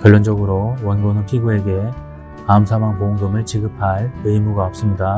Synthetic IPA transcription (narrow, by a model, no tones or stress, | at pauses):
kʌɭːʌnd͡ʑʌɡɯɾowʌnɡonɯnpʰiɡue̞ɡe̞ | amsʰamaŋpoŋɡɯmɯɭt͡ɕiɡɯpʰaɭɯjmuɡaop̚s͈ɯmɲida